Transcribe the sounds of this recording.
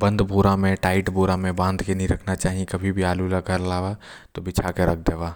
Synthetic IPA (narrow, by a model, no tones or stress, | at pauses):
bɐ̃nd̪bʱuːɾamẽʈaːɪʈbʱoːɾamẽbãːnd̪kenɐɦĩɾɐkʰnat͡ʃaːɦiẽkɐbʱibʱiaːlulaɡʱɐɾlaːʋat̪obit͡ʃʰakeɾɐkʰd̪eːʋaː